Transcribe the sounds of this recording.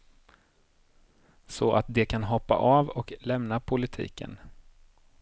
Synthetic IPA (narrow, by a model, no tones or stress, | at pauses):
sɔʔat̪̚d̪ɛkʰanɦɔpːa̰ʔavɔklɛmnapʰʊlɪt̪ʰḭːkə̰n